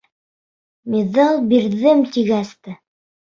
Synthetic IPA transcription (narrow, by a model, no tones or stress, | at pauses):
miðɑlˠbiɾðɘmt̪iɡæst̪ɘ